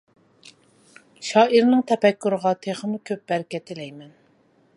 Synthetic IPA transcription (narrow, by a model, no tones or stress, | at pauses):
ʃɑːʔiɾnɪŋt̪ʰɛpɛkʲːuɾəʁɑt̪ʰeχəmukʲʰøp̚b̥æɾkʲɛt̪ʰɪlɛjmɛn